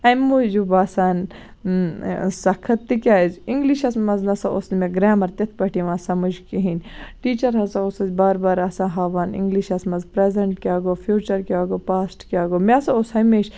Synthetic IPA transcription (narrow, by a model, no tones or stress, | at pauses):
ɐmud͡ʒubaːsaːn | sɐkʰːɐt̪ːikʲaːziŋɡliʃɐsmɐznɐsaosnmẽɡɾaːmɐɾt̪ʲɐt̪ʰpɐʈiʋãːsɐmud͡ʒkiɦinʈiːt͡ʃɐɾɦɐsaosɐzbaːɾbaːɾɐsãːɦɐːʋaːnḭ̃ŋɡliʃɐsmɐzpɾeːzɐɳʈkʲaːɡoːfʰjuːt͡ʃɐɾkʲaːɡoːpaːsʈkʲaːɡomeɐsaoshɐmeːʃ